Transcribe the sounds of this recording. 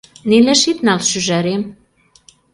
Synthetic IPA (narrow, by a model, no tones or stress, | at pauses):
nilĕʃit̪nɑlʃyʒæɾem